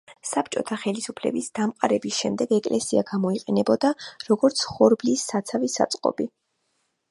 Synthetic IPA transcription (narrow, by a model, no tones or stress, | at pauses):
sap̚t͡ʃʼɔt̪ʰaχɛlisupʰlɛ̰bisd̪amqʼaɾɛbisʃɛmd̪ɛɡɛkʼlʔɛsiaɡamɔiqʼɛnɛbɔd̪aɾɔɡɔɾt̪sʰχɔɾblisːat̪sʰavisa̰t̪sʼqʼɔ̰bi